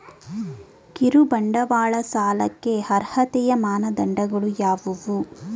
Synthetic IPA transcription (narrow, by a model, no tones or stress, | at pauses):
kiɾubɐɳɖɐʋaːɭɐsaːlɐkːe̞hɐɾhɐt̪ɛjɐmaːnɐd̪ɐɳɖɐɡɐɭujaːʋuʋu